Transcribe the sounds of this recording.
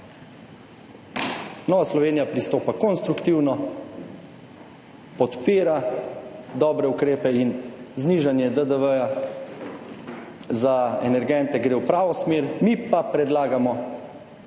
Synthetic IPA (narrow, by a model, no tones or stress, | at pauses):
nɔːʋaslɔʋeːnijapɾist̪oːpakɔnst̪ɾukt̪iwnɔ | pɔt̪peːɾa | d̪ɔːbɾɛukɾeːpɛinzniʒanjɛd̪əd̪əʋəja | zaɛnɛɾɡɛnt̪ɛɡɾeːwpɾaːʋɔsmeːɾmipapɾɛd̪laːɡamɔ